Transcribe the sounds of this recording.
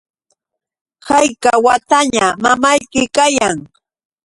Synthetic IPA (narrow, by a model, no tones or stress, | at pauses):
hajkawat̪aɲamamajkɪkajaŋ